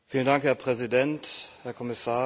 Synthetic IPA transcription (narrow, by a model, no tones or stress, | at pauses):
fiːləndaŋkhɛɐpʁ̥ɛzidɛnthɛːɐkʰɔmɪsaːɐ